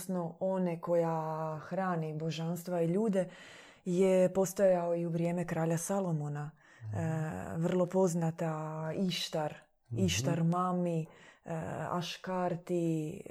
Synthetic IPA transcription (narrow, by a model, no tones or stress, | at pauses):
snooneko̞jaxɾaːnibo̞ʒanst̪ʋaiʎuːd̪e̞ | jepo̞st̪ajaoiuʋɾjeːme̞kɾaːʎasalo̞mona | ʋr̩lˠo̞po̞znat̪aiʃt̪aɾ | iʃt̪aɾmami | a̰ʃkaɾt̪i